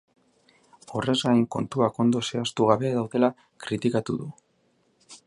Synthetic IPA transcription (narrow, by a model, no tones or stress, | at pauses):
o̞re̞zɣajŋko̞̰nt̪uako̞nd̪o̞se̞ast̪uɣ̞aβe̞ðawðe̞la | kɾit̪ikat̪uðu